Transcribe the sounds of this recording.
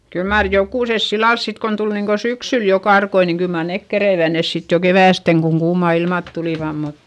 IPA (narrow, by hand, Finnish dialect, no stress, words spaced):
kyl mɑːr jokuˑses silːɑls sit kon tul niŋko syksyl jo kɑrkoi niŋ kyl mɑr nek kereiʋæ nes sit jo keʋæˑsteŋ koŋ kuːmɑˑ ilmɑˑt tuliˑʋɑm mut